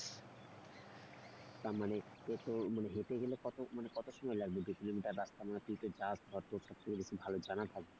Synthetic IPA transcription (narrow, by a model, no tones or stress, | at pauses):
t̪aɾmaneet̪omaneɦet̪eɡelekɔt̪omanekɔt̪oʃɔmɔelaɡ̚bebikilomiʈaɾːast̪amanat̪it̪od͡ʑasd̪ʱɔɾt̪oʃɔb̚t͡ɕʰoɡebeʃʰibʱalod͡ʑanat̪ʰak̚be